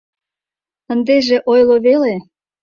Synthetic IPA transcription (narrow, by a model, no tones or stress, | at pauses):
ənd̪eʒeʔojloβele